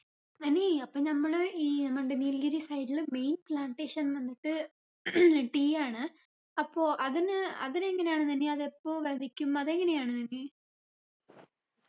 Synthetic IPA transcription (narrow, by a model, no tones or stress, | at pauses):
ɐnːeɐpːoːnɐmːɐɭɨiːnɐmːɐɖenilɡɐɾisɐjʈːilme̞jnplaːɳʈeːʂɐnʋɐnːiʈːɨ | ʈiːaːɳɨ | ɐpːo̞ːʔɐðinɨɐ̰ðineŋːɐnejaːɳɨt̪̬ɐnːeɐðepːo̞ːʋɐd̪ʱikʲːumɐðeŋːɐne̞jaːɳɨt̪ɐnːe